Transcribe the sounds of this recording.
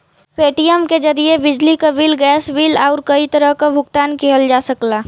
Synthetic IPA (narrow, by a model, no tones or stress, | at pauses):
peːʈijəmkezɐɾiebɪd͡ʒlikabiːlɡɛːsbiːlaːɾkɐit̪əɾəɦkabʱʊɡt̪aːnkeɦəld͡ʒaːsəklaː